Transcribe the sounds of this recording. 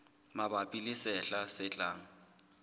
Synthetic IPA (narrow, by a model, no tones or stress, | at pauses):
mabapʼilisɛɬasɪt͡ɬʼaːŋ̩